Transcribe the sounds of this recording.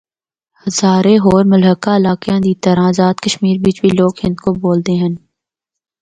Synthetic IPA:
hɐzaːɾeɦoːɾmʊlɦəkaɪlaːkjãːd̪iːt̪əɾãːzaːt̪kəʃmiːɾbiːt͡ʃbiloːɡhɪ̃nd̪koboːlt̪eɦən

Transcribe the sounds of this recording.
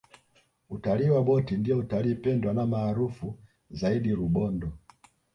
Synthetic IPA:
utaliːwaɓɔtindijɔutaliːpɛndwanamaːɾufu | zaiɗiɾuɓɔndɔ

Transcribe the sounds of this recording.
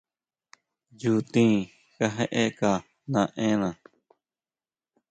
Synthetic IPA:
d͡ʒuːt̪ĩː | kəɦeʔeːkaː | nãːʔẽːnãː

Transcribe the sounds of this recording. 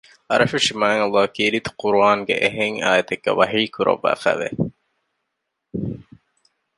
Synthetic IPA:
ɐɾɐfuʃimaːŋɐlːɑːkiɾit̪u̥quɾuaːŋɡḛʔeɦeŋaːjɐt̪eɡːḛʋɐɦiːkuɾɐ̰ʋːæ̰ːfæ̰ːʋḛ

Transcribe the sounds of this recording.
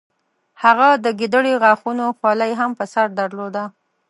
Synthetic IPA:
haɣad̪əɡid̪əɽeɣaxunoxwɑlajɦampəsaɾd̪aɾlod̪a

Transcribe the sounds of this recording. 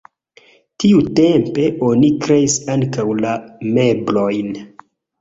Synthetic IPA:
tiute̞mpe̞ʔo̞nikɾe̞isaŋkawlame̞blo̞jn

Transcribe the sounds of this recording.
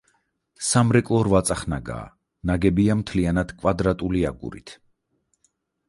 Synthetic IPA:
samɾɛkʼlˠɔɾvat̪sʼaχnaɡa̰ː | naɡɛbiamt̪ʰlianad̪̥kʼvad̪ɾat̪ʼuliaɡṵɾḭt̪ʰ

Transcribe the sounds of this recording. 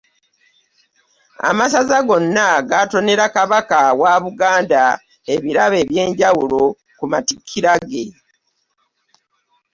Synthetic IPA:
a̰masazaɡo̞nːaɡato̞ne̞ɾakaβakawaβuɡaːnda | e̞βiɾaβe̞ːβje̞ːɲɟawulo̞ | kumatikʰːiɾaɡe̞

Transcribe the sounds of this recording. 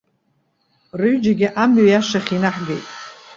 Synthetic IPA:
rɨɥd͡ʒaɡʲɪʔamɥajaʂaχʲinaħɡḛjtʼ

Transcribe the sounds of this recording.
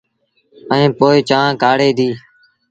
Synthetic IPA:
əĩːpoːiːt͡ʃãːkaːɽeːd̪iː

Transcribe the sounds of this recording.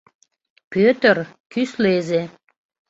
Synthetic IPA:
pøt̪ərkysleze

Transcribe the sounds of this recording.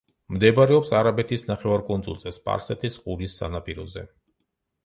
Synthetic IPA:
md̪ɛbaɾɛɔpsaɾabɛt̪ʰisnaχɛvaɾkʼɔnzṵlˠt̪ʼɛspʼa̰ɾsɛt̪ʰisqʼuɾisːa̰napʼiɾɔ̰zɛ̰

